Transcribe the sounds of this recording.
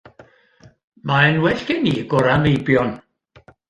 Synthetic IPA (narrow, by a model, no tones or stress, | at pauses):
maɛnwɛɬkɛniɡɔɾanejbjɔn